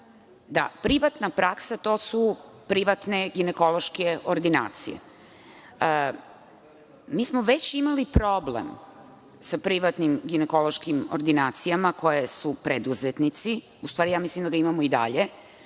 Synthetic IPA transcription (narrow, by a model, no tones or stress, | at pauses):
d̪a̰pɾiʋat̪napɾaksat̪o̞ːsupɾiʋat̪ne̞ɡineko̞lˠo̞ʃke̞oɾd̪ina̰ːt̪sḭjḛ | miːsmoʋe̞t͡ɕimalipɾo̞blḛm | sapɾiʋat̪nimɡineko̞lo̞ʃkimo̰ɾd̪inaːt̪sijamako̞jesupɾed̪uzet̪nit̪si | ust̪ʋaːɾijaːmislimd̪aɡaimamoid̪a̰ʎe̞